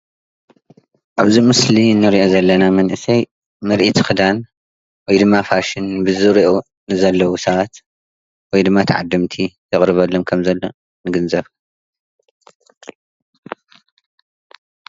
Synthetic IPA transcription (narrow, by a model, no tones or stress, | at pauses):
ʔaβzimɨsliɨnːɨɾiʔo̞zɐlːɐnamɐnʔɨsɐj | mɨɾʔit̪ʰxɨd̪an | wɔjd̪ɨmːafaʃɪnbɨzɨɾiʔo | nɨzɐlːɐwusɐβat̪ | wɔjd̪ɨmːat̪ʰɐʕad̪ːɨmt̪ʰit̪ʰɐχʼɾɨβɐlːomkʰɐmzɐlːo̞ | nɨɡɨnzɐβ